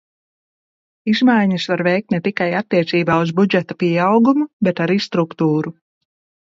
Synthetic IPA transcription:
izmajɲɐsvaɾvɛjk̚t̪nɛt̪ikajat̪ːiɛt̪siːbaːuzbud͡ʒɛt̪apiɛawɡumubɛt̪aɾist̪ɾukt̪uːɾu

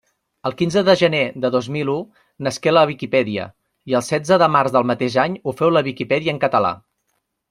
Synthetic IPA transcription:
əlˠkinzəðəʒəneðəðozmilu | nəskeləβ̞ikipɛðiə̰ | iəlˠsɛd͡zəðəmarzðəlˠmət̪eʒaɲufɛwləβikipɛðiəːŋkət̪əla̰

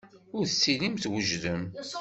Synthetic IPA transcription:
ʊɾθt͡sːilimθwəʒðəm

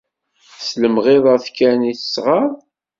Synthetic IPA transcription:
sləmʁɪðˤəθkæniθə̥sʁəɾˤ

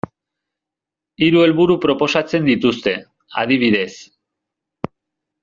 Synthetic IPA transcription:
iɾue̞lβuɾupɾo̞po̞sat͡se̞nd̪it̪ust̪e̞ | a̰ðiβ̞iðe̞s

